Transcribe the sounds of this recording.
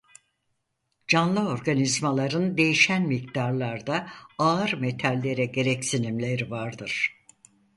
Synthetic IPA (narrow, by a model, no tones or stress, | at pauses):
d͡ʒanlˠɯo̞ɾɡanizmalˠaɾɯnd̪e̞jiʃænmikt̪aɾlˠaɾd̪aaɯɾme̞t̪ʰalʲːe̞ɾɛɟe̞ɾɛcsinimlʲe̞ɾivaɾd̪ɯɾ̥